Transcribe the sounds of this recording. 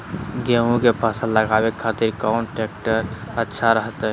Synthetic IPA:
ɡeũkepasə̃ləɡabekʰat̪iɾkɔnʈek̚ʈəɾətːʃʰaɾəɦət̪ɛ

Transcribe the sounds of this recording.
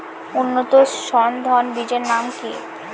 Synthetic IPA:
unːot̪oʃɔnd̪ʱɔnbid͡ʑeɾnamki

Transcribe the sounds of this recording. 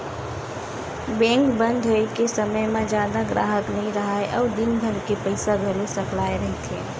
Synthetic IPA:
bɛ̃ŋkbənd̪ʱɦojkesəməjmẽd͡ʒjad̪aɡɾa̰ɦəknəɦĩɾəɦaeʔɔʊd̪inbʱəɾkepəɪsaɡʱelosəklaeɾəɦit̪ʰẽ

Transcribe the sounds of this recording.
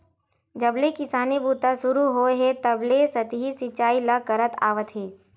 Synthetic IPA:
d͡ʒɐblekɪsaːnibuːt̪asʊɾuɦoɦet̪ɐblesɐt̪ɦisɪt͡ʃaːilakɐɾət̪a̰ːʋət̪ɦeː

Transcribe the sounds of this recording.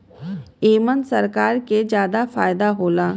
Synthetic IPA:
eːmənsɐɾkaːɾked͡ʒjaːd̪afaːjd̪aɦoːlaː

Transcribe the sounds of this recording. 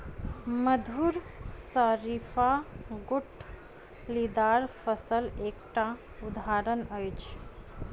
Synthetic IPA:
məd̪ʱuːɾsəɾifaɡʊʈ | lid̪aːɾfəsəleːkʈa | ʊd̪aːɾənəjt͡ʃ

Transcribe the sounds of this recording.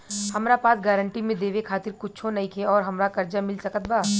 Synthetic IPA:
hɐmɾapaːt̪ɡaːɾə̃ɳʈimẽd̪eːʋekʰaːt̪ɪɾkʊt͡ʃʰõnɐĩkʰeɔːɾɦɐmɾakɐɾd͡ʒamɪlsɐkət̪̚baː

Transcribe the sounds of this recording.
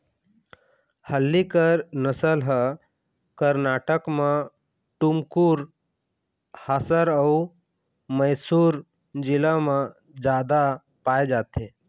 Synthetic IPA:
həlːikəɾnəsəlɦə | kəɾnaːʈəkmẽ | ʈʊmkuɾ | haːsəɾəu | məjsuːɾ | d͡ʒɪlamã | d͡ʒaːd̪a | paːed͡ʒaːt̪e

